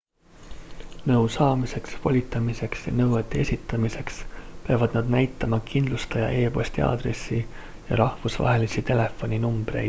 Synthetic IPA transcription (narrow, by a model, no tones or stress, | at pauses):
nɤwsɑːmise̞ksvo̞lʲit̪ːˑɑmise̞ksjɑ̰nɤwet̪ːˑeesʲit̪ːˑɑmise̞kspeɑvɑd̪̥nɑd̪̥næjt̪ˑːɑmɑkʰind̪lust̪ɑjɑ̰ʔe̞ːpo̞sʲt̪ʲiɑ̰ːd̪̥ɾe̞̰sːi | jɑ̰ɾɑhvusvɑ̰ɦe̞lisit̪e̞le̞fːo̞nʲinumb̥ɾe̞̰jd̪̥